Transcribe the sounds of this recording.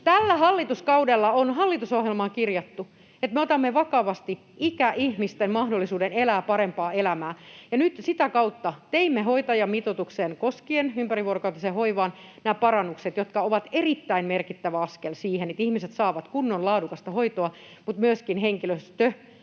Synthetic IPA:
t̪ælːæhɑlːit̪uskɑudelːɑonɦɑlːit̪usohjelmɑːkirjɑt̪ːu | et̪meot̪ɑmːeʋɑkɑʋɑst̪i | ʔikæʔihmist̪enmɑhdolːisuːdenelæːpɑɾempɑːelæmæːjɑnyt̪sit̪ækɑut̪ːɑt̪eimːeɦoit̪ɑjɑmit̪ot̪uksenkoskienympæriʋuorokɑut̪ːˑɑsehoiʋɑːnnæːpɑrɑnːukset̪jot̪kɑoʋɑt̪erit̪ːæinmerkit̪ːæʋæɑskelsiːhenet̪ihmiset̪sɑːʋɑt̪kunːollɑːdukɑst̪ɑhoit̪oɑ | mut̪myøskinɦeŋkiløst̪ø

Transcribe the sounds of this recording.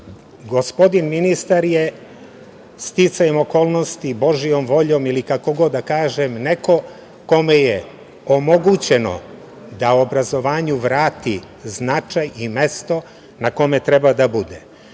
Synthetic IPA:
ɡo̞spo̞d̪inminist̪aɾje | st̪it̪sajemo̞ko̞ːlˠno̞st̪ibo̞ʒijo̞mʋo̞ʎo̞ːmilikako̞ɡo̞d̪ːakaːʒemne̞ko̞ | ko̞meje | omo̞ɡut͡ɕe̞no̞̰ | d̪aobɾazo̞ʋaːɲuʋɾaːt̪i | znat͡ʃajime̞st̪o̞ | nako̞me̞t̪ɾebad̪abud̪ḛ

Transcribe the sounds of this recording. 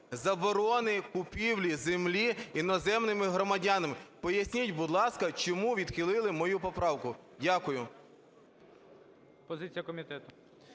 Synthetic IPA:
zɐbɔɾɔnɪkʊpʲiwlʲizemlʲiinɔzɛmnɪmɪɦɾɔmɐdʲanɐmɪpɔjɐsʲnʲitʲbʊd̪lˠɑskɐt͡ʃɔmuʋʲid̪xɪlˠɪlˠɪmɔjupɔpɾɑwkʊdʲakʊjʊ | pɔzɪt͡sʲijɐkɔmʲit̪ɛt̪ʊ

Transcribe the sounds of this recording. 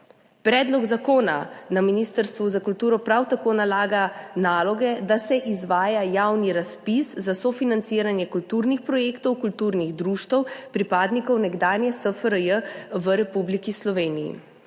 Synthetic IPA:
pɾɛːd̪lɔɡzakoːna̰naminist̪əɾst̪ʋuzakult̪uːɾɔpɾawt̪akoːnalaːɡanaːlɔɡɛd̪asɛʔizʋaːjajawniɾaspiszasɔfinant̪siɾanjɛkult̪uːɾnixpɾɔjeːkt̪ɔwkult̪uːɾniɣd̪ɾuʃt̪ɔwpɾipaːd̪nikɔwnɛɡd̪aːnjɛsəfəɾəjəʋəɾɛpublikislɔʋeːnijḭ

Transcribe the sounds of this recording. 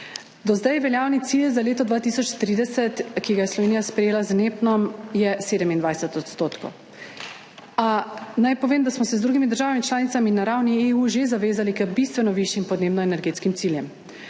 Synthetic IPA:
d̪ɔzd̪ajʋɛljaːwnit̪siːlzaleːt̪ɔd̪ʋaːt̪isɔt͡ʃt̪ɾiːd̪ɛsɛt̪kiɡajɛslɔʋeːnijaspɾɛjeːlazneːpnɔmjɛseːd̪əmind̪ʋajsɛt̪ɔt̪st̪oːt̪ko̰w | anajpɔʋeːmd̪asmɔsɛzd̪ɾuɡimid̪əɾʒaːʋamit͡ʃlaːnit̪saminaɾawnieuːʒezaʋeːzalikəbist̪ʋɛnɔʋiʃjimpɔd̪neːbnɔɛnɛɾɡeːt̪skimsiljɛm

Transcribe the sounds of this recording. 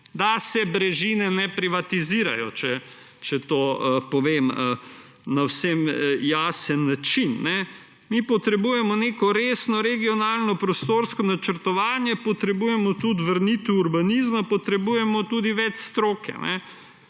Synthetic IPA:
d̪asɛbɾɛʒinɛnɛpɾiʋat̪iziːɾa̰jɔt͡ʃɛ | t͡ʃɛt̪oːəpɔʋeːmə | nawsɛmjaːsənːat͡ʃinːɛ | mipɔt̪ɾɛbuːjɛmɔneːkɔɾeːsnɔɾɛɡijɔnaːlnɔpɾɔst̪oːɾskɔnat͡ʃəɾt̪ɔʋaːnjɛpɔt̪ɾɛbuːjɛmɔt̪ut̪ʋəɾnit̪uːɾbanizmapɔt̪ɾɛbuːjɛmɔt̪uːd̪iʋɛt͡ʃst̪ɾoːkɛ̰nʔɛ̰

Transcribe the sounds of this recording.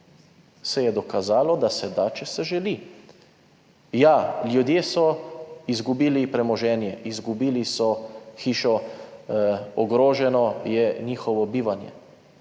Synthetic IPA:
sɛjɛd̪ɔkazaːlɔd̪asɛd̪at͡ʃɛsɛʒɛli | jaljud̪jeːsɔizɡubiːlipɾɛmɔʒɛːnjɛʔizɡubiːlisɔxiːʃɔ | ɔɡɾoːʒɛnɔjɛniːxɔʋɔbiːʋanjɛ̰

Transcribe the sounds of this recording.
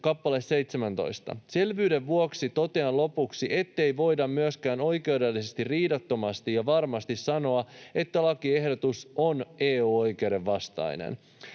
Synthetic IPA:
kɑpːɑle̞sse̞jt̪semænt̪o̞̰ijst̪ɑ̰se̞lʋyːdeʋʋuoksit̪o̞t̪eɑnlo̞puksiʔe̞t̪ːe̞jʋo̞jdɑmmyøskæːno̞jke̞wdelːisest̪irriːdɑt̪ːo̞mɑst̪ijɑʋɑrmɑst̪issɑno̞ɑe̞t̪ːælɑkie̞hdot̪usoneːuːo̞jkewde̞ʋːɑst̪ɑ̰jnḛn

